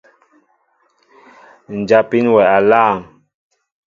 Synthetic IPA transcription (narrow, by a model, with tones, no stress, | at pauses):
n̩˨d͡ʒa˨pi˨˦nwɛ˨a˨laː˦˨ŋ